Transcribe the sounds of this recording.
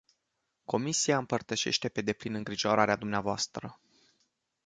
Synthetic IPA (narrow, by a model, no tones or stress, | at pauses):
ko̞misiaɨmpərt̪əʃe̞̰ʃt̪e̞pe̞d̪e̞plinɨŋɡɾiʒo̞ɾaɾead̪umneavoast̪ɾə